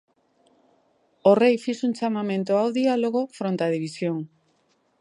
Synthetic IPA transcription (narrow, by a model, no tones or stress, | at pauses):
orejfisunt͡ʃamamẽnt̪oawðialoɣ̞ofɾont̪að̞iβ̞isjoŋ